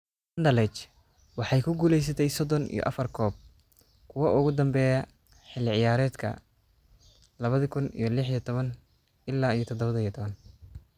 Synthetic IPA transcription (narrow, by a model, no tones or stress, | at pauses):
ɐnd̪ɐlɛt͡ʃ | wɑħɑjkʰʊɡuːlɛjs̬ɐt̪ʰɛjsɔd̪ɔnḭjɔ̰ʔɐ̰fɐrkʰɔːb̚ | kʰʊwɐʔʊɣʊd̪ɐmbɛːjɐ | ħɪlːɪʕɪjaːɾɛːd̪kʰɐ̰ | lɐβɐðɐkʰʊnḭjɞlɪħijɔt̪ʰɔβɐn | ʔɪlːaːijɞt̪ʰɔd̪ɔβɐðɐijt̪ʰɔβɐn